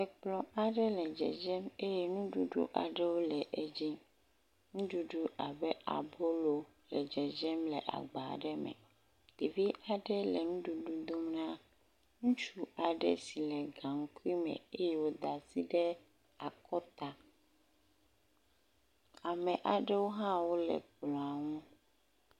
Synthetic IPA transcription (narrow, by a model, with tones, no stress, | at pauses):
ɛ˨k͡plɔ˨a˨ɖɛ˦lɛ˨d͡ʒɛ̰˨d͡ʒɛ˦me˦jɛ˦nũ˦ɖu˦ɖṵ˦ʔa̰˨ɖɛ˦wo˦lɛ˨ʔɛ˦d͡ʑi˦ | ŋũ˦ɖu˨ɖu˦ʔa˨bɛ˦a̰˨bo˦lo˨ | lɛ˨d͡ʒɛ˨d͡ʒɛ˦mlɛ˨ʔa̰˨ɡ͡ba̰˨ɖɛ˦mɛ̰˨ | d̪̥i˨vi˦a˨ɖɛ˦lɛ˨nũ˦ɖu˨ɖu˦d̪o˦mnã˦ | ŋũ˦t͡ʃu˦a˨ɖɛ̰˦si˨lɛ˨ɡã˨ŋ̩˦ku˦i˦mɛ̰̃˨e˦jɛ˦wo˦d̪a˨si˦ɖɛ˦ | a˨kɔ˦t̪a˨ | a˨mɛ̃˨ʔa˨ɖɛ˦wo˦ɦã˦wo˦lɛ̰˨k͡plɔ̃˨a˨ŋũ˦